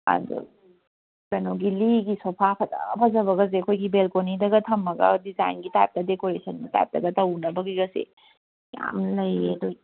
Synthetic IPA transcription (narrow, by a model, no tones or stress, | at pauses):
a̰dṵ | kenoɡiliɡisɔpʰapʰɐtapʰɐzɐβɐɡɐz̬ekʰojɡibelkonidɐɡɐtʰɐmːɐɡɐ̰diza̰jnɡita̰jp̚tɐdekoɾesɐnmɐta̰jp̚dɐɡɐtɐwnɐbɐɡiɡɐsḛ | ja̰mlɐjedo